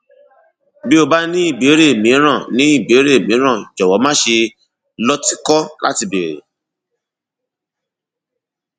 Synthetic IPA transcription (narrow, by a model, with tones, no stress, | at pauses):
bi˦o˧ba˦nĩ˦i˦˨be˨˦ɾe˦e˨mĩ˨˦ɾ̃ã˦˨nĩ˨˦i˦˨be˨˦ɾe˦e˨mĩ˨˦ɾ̃ã˦˨d͡ʒɔ˨wɔ˨˦mãː˦ʃe˧ | lɔ˦ti˦kɔ˦la̰˦ti˧be˨ɾḛ˨